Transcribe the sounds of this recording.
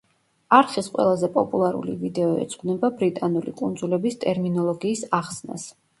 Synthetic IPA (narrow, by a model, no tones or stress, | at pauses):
aɾχisqʼwɛ̰lˠazɛpʼɔpʼulˠaɾṵlḭvid̪ɛɔɛ̰t̪sʼɡnɛbabɾit̪ʼanulḭkʼund̪zulɛbist̪ʼɛɾminɔlˠɔɡiːsaχsna̰s